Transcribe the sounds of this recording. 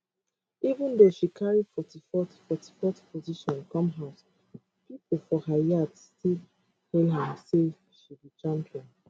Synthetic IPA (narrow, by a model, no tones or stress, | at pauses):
ivũndoʃikʰaɹifɔtifɔtfɔtʰi̥fɔtpʰoziʃɔ̃nkɔ̃mɦaʊs | pipol̩fɔhajadstil | hɛlɦɛ̃mse | ʃibit͡ʃãmpiɔ̃n